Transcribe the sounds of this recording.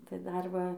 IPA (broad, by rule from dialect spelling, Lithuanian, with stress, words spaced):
tɐɪ ˈdɐr ˈʋɐ